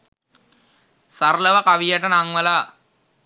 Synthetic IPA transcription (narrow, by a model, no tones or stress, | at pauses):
saɾlɐʋɐkaʋijaʈənaŋʋɐla